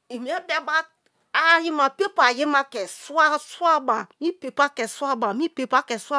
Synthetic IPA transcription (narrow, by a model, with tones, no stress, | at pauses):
i˨mi˨˦ɛ˦bɛ˦ba˦ | a˨˦ji˦ma˨pe˦pa˨ji˦ma˦kɛ˨su˦a˦su˦a˦ba˨mi˦pe˨pa˦kɛ˨su˦a˦ba˨mĩ˦pe˨pa˦kɛ˨sa˦